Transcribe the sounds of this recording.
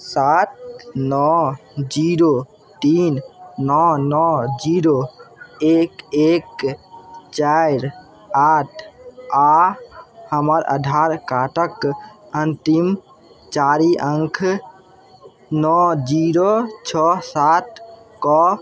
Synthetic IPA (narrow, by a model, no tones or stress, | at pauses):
sat̪̚nɔd͡ʒiɾo | t̪innɔnɔd͡ʒiɾoekek | t͡ʃajɾ | aʈʰa | həməɾə̰ɖʱaɾkaʈʰək | ənt̪im | t͡ʃaɾiʔəŋkʰ | nɔd͡ʒiɾot͡ʃʰɔsat̪̚ | kɔ